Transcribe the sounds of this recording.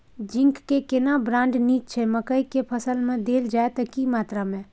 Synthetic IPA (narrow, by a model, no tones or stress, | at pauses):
d͡ʒɪ̃ŋkːekɪnabɾãːɳɖniːt͡ʃt͡ʃʰɛməkəikepʰəsəlmẽd̪eːld͡ʒaːet̪əkimaːt̪ɾamẽ